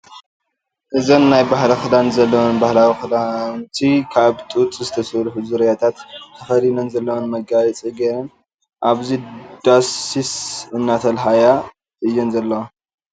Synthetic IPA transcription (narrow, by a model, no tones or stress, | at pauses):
ʔɨzonːajbahlɐxɨd̪anzɐlːɐwonbahlawixɨd̪ant̪ʰikʰaβt̪ʼut͡s̪ʼɨzɨt̪ʰɐsɐɾħuzɨɾjat̪ʰat̪t̪ʰɐfɐlinɐnzɐlːɐwonmɐɡajɛt͡sʼiɡeɾɐn | ʔaβzid̪̥asisɨnːat̪ʰɐlɦaja | ɨjːunzɐlːɐwo